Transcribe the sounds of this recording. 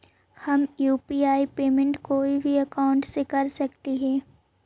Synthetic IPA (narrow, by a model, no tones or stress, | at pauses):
hɐmjuːpiːaːipeːmẽɳʈkoːibʱiɐkaːʊ̃ɳʈsekɐɾsɐkt̪eɦɛ̃ː